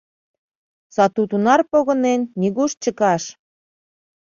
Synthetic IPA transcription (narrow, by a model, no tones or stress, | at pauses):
sɑt̪ut̪unɑrpoɣɤ̆nenːʲiɣuʃt͡ɕəkɑʃ